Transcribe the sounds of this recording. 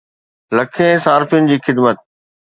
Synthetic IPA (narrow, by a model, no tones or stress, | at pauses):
lɐkʰẽsaːɾfiʊnɪ̆d͡ʑiːxɪd̪mət̪̚